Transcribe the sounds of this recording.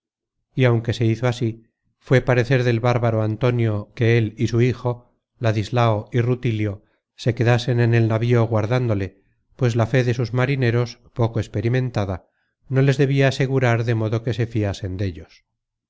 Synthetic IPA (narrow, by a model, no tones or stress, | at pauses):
iawŋke̞se̞iθo̞asi | fwe̞paɾe̞θe̞ɾðe̞lβaɾβaɾoant̪o̞njo̞ke̞elisuixo̞ | laðizlaoirut̪iljo̞ | se̞ke̞ðase̞ne̞ne̞lnaβioɣwaɾðand̪o̞le̞ | pwe̞zlafe̞ðe̞suzmaɾine̞ɾospo̞ko̞espe̞ɾimẽ̞nt̪aða | no̞le̞zðe̞β̞iaːse̞ɣuɾaɾðe̞mo̞ðo̞ke̞se̞fiase̞nd̪e̞ʎo̞s